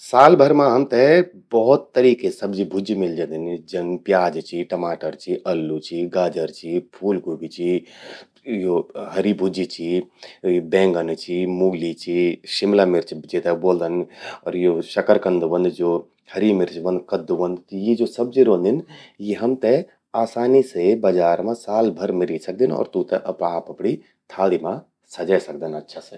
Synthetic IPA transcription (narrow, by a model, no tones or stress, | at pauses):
saːlbʱɐɾmãɦɐmt̪ɛ | bɔɦʊt̪ːɐɾiːkesɐbd͡ʒibʱʊd͡ʒimɪld͡ʒãːnd̪ɪnd͡ʒɐnpjaːd͡ʒt͡ʃʰiʈɐmaːʈəɾt͡ʃʰiʔɐlːut͡ʃʰiɡaːd͡ʒəɾt͡ʃʰipʰuːlɡuːɡit͡ʃʰi | joɦɐɾibʱʊd͡ʒit͡ʃʰi | bɛ̃ːŋɡənt͡ʃʰimuːɡlit͡ʃʰiʃɪmlamɪɾt͡ʃʰd͡ʒet̪ɛboːld̪ənɔ̰ːɾjoʃɐkəɾkə̃nd̪ʋɐ̃nd̪d͡ʒoː | hɐɾimɪɾt͡ʃʋɐ̃nd̪̚kɐd̪uʋə̃nd̪t̪jid͡ʒoːsɐb̚d͡ʒiɾõːnd̪ɪnjeɦɐmt̪ɛ | aːsaːnisebɐd͡ʒaːɾmãsaːlbʱɐɾmɪɾisɐk̚d̪inɔ̰ːɾt̪ũt̪ɛʔɐpaːpɐpɽi | t̪ʰaːɽimã | sɐd͡ʒajsɐk̚d̪ənɐtːʃʰase